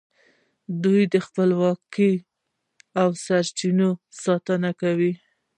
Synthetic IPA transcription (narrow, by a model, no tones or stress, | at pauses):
d̪ujd̪əxpəlwɑki | awsaɾt͡ʃinosɑt̪ənakawi